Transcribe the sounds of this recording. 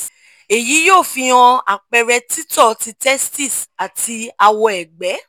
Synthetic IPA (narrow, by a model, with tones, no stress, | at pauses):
e˨ji˨˦joː˦˨fĩ˧ɔ̃˧a̰˨k͡pɛ˧ɾɛ˧ti˦tɔ˦˨ti˧tɛ˦sti˦˨sa˨tʰi˧a˧wɔ˧ɛ˨ɡ͡bɛ˨˦